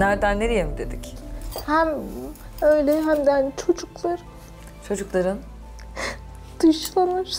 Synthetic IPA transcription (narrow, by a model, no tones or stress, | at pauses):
næɾd̪ænːeɾijemid̪e̞d̪ichæm | øjlʲɛɦæmd̪ænt͡ʃʰo̞d͡ʒuklˠaɾɯn | t͡ʃʰo̞d͡ʒuklˠaɾɯn | d̪̥ɯʃlˠamɯɾ